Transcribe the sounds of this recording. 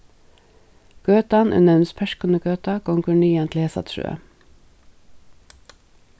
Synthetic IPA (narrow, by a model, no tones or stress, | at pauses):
ɡ̥øːt̪ɑnʔʉ̰nəʉnspʰæʃkənəɡøːt̪ɑkʊŋkʉɳiːɑnt̪ʰlheːsɑ̰t̪ʃʉ̰ːə̰